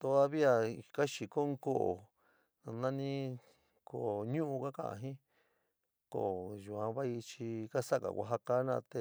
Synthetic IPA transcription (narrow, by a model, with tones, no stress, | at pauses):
t̪o˧˦ða˧βi˦a˧ka˦ʃi˨ko˦ŋ˦ko˦ʔo̰˨ | na˧nã˦nĩ˦ | ko˨ɲũ˦ʔũ˧ka˦kã̰˦˨ã̰˧ɦĩ˦ | ko̰˨ʒu˨ã˧βa˦i˧t͡ʃi˧ka˦sa˦ka̰˨kʷa̰˧ɦa˧ka˦nã̰˧t̪e˧